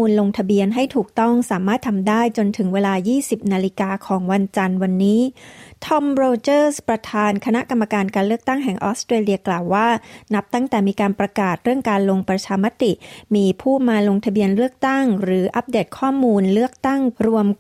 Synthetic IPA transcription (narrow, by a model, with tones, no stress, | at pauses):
uː˧nlo˧ŋt̪ʰa˧bi˧ənɦa˥˩jt̪ʰuː˨˩k̚t̪ɔ˥˩ŋsaː˩˦maː˥˩t̪ʰːa˧mdaː˥˩jt͡ɕo˧nt̪ʰɯ˩˦ŋweː˧laː˧jiː˥˩si˨˩p̚naː˧li˧kaː˧kʰɔː˩˦ŋwa˧nt͡ɕa˧nwa˧nːiː˦˥t̪ʰɔ˧˥mɾoː˧t͡ɕɤː˥˩spɾa˧t̪ʰaː˧nkʰa˧na˦˥ʔka˧mːa˧kaː˧nkaː˧nlɯ˥˩ək̚t̪a˥˩ŋɦɛ˨˩ŋʔɔ̰ː˦st̪ɾeː˧li˧ɐklaː˨˩wːaː˥˩na˦˥p̚t̪a˥˩ŋt̪ɛː˨˩miː˧kaː˧npɾa˧kaː˨˩t̪̚ɾɯ˥˩əŋkaː˧nlo˧ŋpɾa˧t͡ɕʰaː˧ma˦˥t̪i˨˩miː˧pʰuː˥˩maː˧lo˧ŋt̪ʰa˧bi˧ənlɯ˥˩ək̚t̪a˥˩ŋɾɯː˩˦ʔa˦˥p̚deː˨˩t̪̚kʰɔː˥˩muː˧nlɯ˥˩ək̚t̪a˥˩ŋɾu˧əm